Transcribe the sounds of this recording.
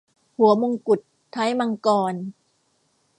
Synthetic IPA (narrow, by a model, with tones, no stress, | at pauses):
hu˩˦ɐmo˧ŋku˨˩t̪ʰːa˦˥jma˧ŋkɔː˧n